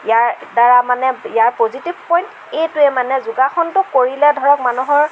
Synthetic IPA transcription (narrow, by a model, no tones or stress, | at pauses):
jaɹdaɹamanɛijaɹpozitibpɔjnt | ejtʊemanɛzʊɡaxɔntʊkoɹilɛdʱɔɹɔkmanuɦɔɹ